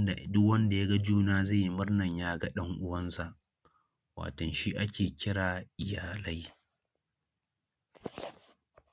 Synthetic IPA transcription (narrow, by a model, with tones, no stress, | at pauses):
dʊ˦wɐ˦nda˨ja˦ɡa˦d͡ʒuː˦naː˦za˦˨ji˦mʊ˦rnɐ˨ɲjaː˦ɡɐ˦ɗɐ˦ŋʔʊ˦wɐ˦nsa˨ʔ | wa̰ː˨tɔ˨nʃi˦ʔa˦kʲeː˨kʲɪ˦ɽaː˨ʔɪ˨jaː˨la˦j